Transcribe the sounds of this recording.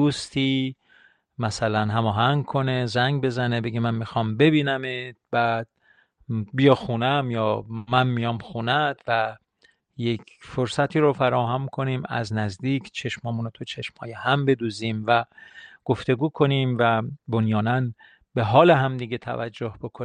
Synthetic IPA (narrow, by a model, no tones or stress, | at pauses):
d̪uːst̪ʰiː | mæsælænɦæmɒːɦæŋɡkʰo̞ne̞zæŋɡbe̞zænebeɡemænmixɒːmbe̞biːnæmet̪̚b̥æːd̪̥̚ | bijɒxuːnæmjɒːmænmijɒːmxuːnæd̪̥væ | jekʰfoɾsæt̪ʰiːɾofæɾɒːɦæmkʰo̞niːmæ̰znæzd̪iːkʰt͡ʃʰe̞ʃmhɒːmunot̪ʰut͡ʃʰe̞ʃmhɒːjehæmbe̞d̪uːziːmvæɡ̥o̞ft̪e̞ɡuːkʰo̞niːmvæbonjɒːnæn | be̞ɦɒːle̞ɦæmd̪iːɡet̪ʰæ̰væ̰d͡ʒːo̞hb̥o̞kʰon